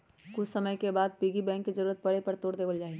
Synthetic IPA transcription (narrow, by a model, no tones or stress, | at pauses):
kʊt͡ʃʰsəməjkebaːd̪̚piɡibɛ̃ːŋkːizəɾuːɾət̪̚pɐɽepəɾt̪oːɽd̪eːʋəld͡ʒaːi